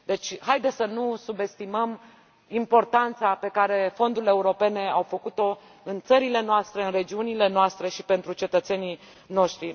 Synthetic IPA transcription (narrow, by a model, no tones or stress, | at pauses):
d̪e̞t͡ʃʲhajd̪esənusube̞st̪iməm | impo̞rt̪ant̪sape̞kaɾe̞fo̞nd̪ule̞uɾo̞pe̞ne̞awfəkut̪o̞ | ɨnt̪səɾile̞noast̪ɾe̞ɨnre̞d͡ʒiunile̞noast̪ɾe̞ʃi̥pe̞nt̪ɾut͡ʃe̞t̪ət̪se̞ni | no̞ʃt̪ɾi